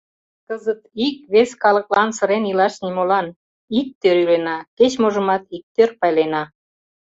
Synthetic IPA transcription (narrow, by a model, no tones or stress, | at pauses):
kəzət̪ikβeskɑlə̆klɑnsə̆ɾenilɑʃnimolɑn | ik̚t̪øɾylenɑket͡ɕmoʒə̆mɑt̪ik̚t̪ørpɑjlenɑ